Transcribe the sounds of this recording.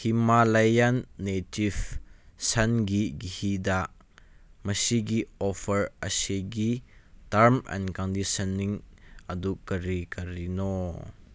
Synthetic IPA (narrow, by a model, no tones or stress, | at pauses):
himalɐjɐnːetivsɐnɡiɡihidaʔ | mɐsiɡiɔfəɹəseɡitɐɹmɛ̰nkɔndisɐniŋʔɐdukːəɾikɐɾinɔ